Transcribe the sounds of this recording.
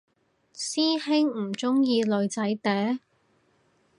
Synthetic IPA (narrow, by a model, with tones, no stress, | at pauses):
siː˥hɪ˥ŋm̩˨˩t͡sʊ˥ŋjiː˧lɵ˨ɥt͡sɐ˨˥jt̪ɛː˨˥